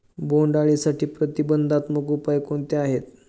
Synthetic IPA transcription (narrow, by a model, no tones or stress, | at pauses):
boɳɖaɭisaʈʰiːpɾət̪ibənd̪ʱat̪məkupajkoɳt̪eaɦet̪̚